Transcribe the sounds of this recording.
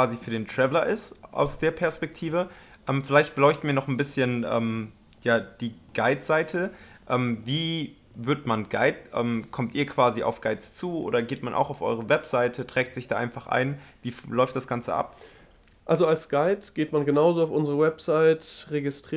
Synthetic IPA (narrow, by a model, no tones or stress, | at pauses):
vaːzifyːɐdeːntʁ̥ɛvəlɐʔɪstʔa̰ʊsd̥eːɐpʰɛɐspɛk̚tʰiːvə | ʔɛːmfɪlaɪçt̚b̥əlɔʏçtn̩miːɐnɔχnbɪsçənʔɛ̰ːm | jaːd̥iːɡ̥aɪtz̥aɪtʰəʔɛːmviː | vʏɐtmanɡa̰ɪtʔɛ̰ːmkʰɔmtiːɐkv̥aːzia̰ʊfɡ̥aɪtt͡st͡suːʔo̰ːɾɐɡeːtmanʔa̰ʊxaʊfʔɔ̰ʏʁ̞əvɛpz̥aɪtʰədʁ̥ɛːk̚tz̥ɪçd̥aːʔaɪnfaχʔa̰ɪnviːlɔʏftd̥asɡ̥ant͡sə̰ʔa̰p̚ | ʔalzoalsɡ̥aɪtɡ̥eːtmanɡənaʊzoːaʊfʔʊnzəʁəwɛpz̥aɪtʁeɡɪstʁ̥ː